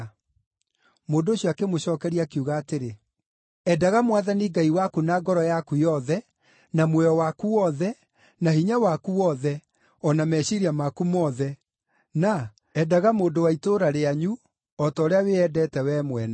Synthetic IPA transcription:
moːndoːɕjɔakemoɕɔːkɛɾiakiuɣaːteɾe | ɛdaɣamwaðaniɡaiwakunaɡɔɾɔjakujɔðɛ | namwɛɔwakuwɔðɛ | nahiɲawakuwɔðɛ | ɔnamɛɕiɾiamakumɔðɛ | na | ɛdaɣamoːndowaitoɾaɾeaɲu | ɔtɔːɾeaweɛdɛtɛwɛːmwɛna

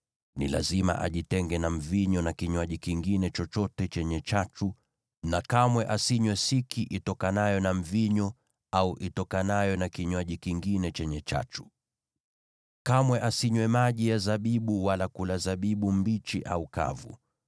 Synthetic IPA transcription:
nḭla̰zima̰ʔa̰ʄitɛŋɡɛnam̩viɲɔnakiɲwaʄikiŋɡinɛt͡ʃɔt͡ʃɔtɛt͡ʃɛɲɛt͡ʃat͡ʃu | nakamwɛʔasiɲwɛsikʰiʔitɔkanajɔnam̩viɲɔ | auʔitɔkanajɔnakiɲwaʄikiŋɡinɛt͡ʃɛɲɛt͡ʃa̰t͡ʃu̥ | kamwɛʔasiɲwɛmaʄijazaɓiɓuwalakulazaɓiɓumbit͡ʃiʔa̰uka̰vṵ

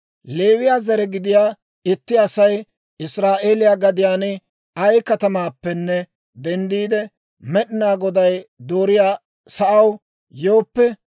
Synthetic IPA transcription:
le̞ːwɪjaːzɐɾɛɡɪd̪ɪjaː | ɪt̪ːɪɐsɐj | ɪsɾaːʔe̞ːlɪjaːɡɐd̪ɪjaːnɪ | ɐjkɐt̪ɐmaːpːɛnːɛ | d̪ɛnd̪iːd̪ɛ | mɛɗɪnaːɡɔd̪ɐjd̪oːɾɪjaː | sɐʔɐw | jo̞ːpːɛ

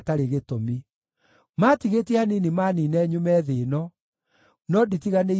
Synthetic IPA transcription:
taɾeɣetɔmi | matiɣetɛaninimaninɛɲumɛðeːnɔ | nɔditiɣane

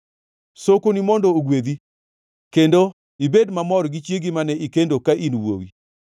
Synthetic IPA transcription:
sokonimɔndooɡwed̪i | kendo | ibedmamɔɾɡit͡ʃjeɡimanɛʔikendokaʔinwo̰wḭ

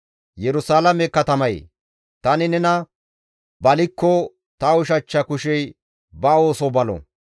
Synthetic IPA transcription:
jɛɾʊsaːlɐmɛkɐt̪ɐmɐj̰ | t̪ɐnɪnɛnɐ | bɐlɪkːɔ | t̪ɐʊʃ̬ɐt͡ʃːɐkʊʃɛj | bɐo̞ːsɔbɐlɔ̰

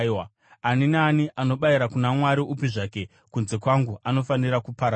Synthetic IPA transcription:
wa | aninaːniʔano̞ɓaiɾakunamwaɾiʔupiʐaːke̞ | kunze̞kwaŋɡuano̞faniɾakupaɾa

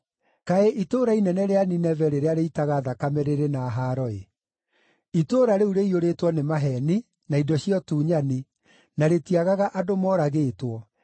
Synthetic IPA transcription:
kaeʔitoːɾainɛnɛɾeaninɛvɛɾeɾeaɾeitaɣaðakamɛɾeɾenaɦaːɾɔe | itoːɾaɾeuɾeioɾetwɔnemaɦɛni | naidɔɕiɔtuːɲani | naɾetiaɣaɣaʔadomɔɾaɣeːtwɔ

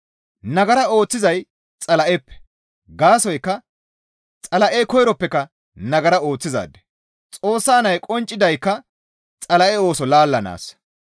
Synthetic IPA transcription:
nɐɡɐɾɐo̞ːt͡sːɪzɐj | t͡sʼɐlɐʔɛpːɛ̥ | ɡaːsɔjkːɐ | t͡sʼɐlɐʔekɔjɾɔpːɛkɐ | nɐɡɐɾɐo̞ːt͡sːɪza̰ːd̪ːɛ̥ | t͡sʼo̞ːsːaːnɐjkʼɔnt͡ʃʼːɪd̪ɐjkːɐ | t͡sʼɐlɐʔɛo̞ːsɔlaːlːɐna̰ːs

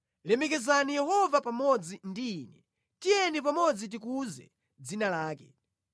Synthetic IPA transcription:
lɛmɛk̬ɛzanijɛhɔvapamɔd͡zindiːnɛ | tijɛnip̬amɔd͡zit̬ik̬uzɛ̰ | d͡zinalaːkɛ

